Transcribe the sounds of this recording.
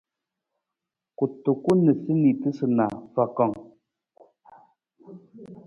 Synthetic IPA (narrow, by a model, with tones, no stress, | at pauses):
ku˨tu˨ku˦nə˨sɨ˦ni˨tɨ˦sɨ˨na̰˨fa˨kɔ˨ŋ